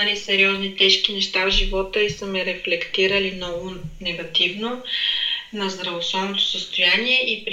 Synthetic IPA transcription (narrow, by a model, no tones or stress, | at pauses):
ɐlisɛɾiɔznit̪ɛʃk̟inɛʃt̪avʒivɔt̪əisəmɛɾɛflɛkt̪iɾəlimnɔɡʊnɛɡɐt̪ivno | nɐzd̪ɾɐvosɔnot̪o̥səst̪ojaniɛʔipɾ